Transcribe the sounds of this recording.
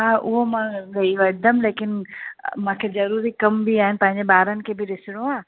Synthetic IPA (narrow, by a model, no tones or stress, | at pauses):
ɦãːʔʊ̰ɦomãːɡɐioɐd̪əmleːkɪnmãːkʰezɐɾuːɾikɐmbiaːɦɪnɪ̆pɐ̃ɦɪ̃ɲ̆d͡ʑebaːɾənɪ̆kʰeːbɪɾɪsɪɽõaː